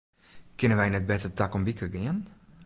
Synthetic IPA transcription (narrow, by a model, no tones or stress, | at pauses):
kɪnənʋɛjnɛt̚bɛtətakɔmbikʰəɡɪən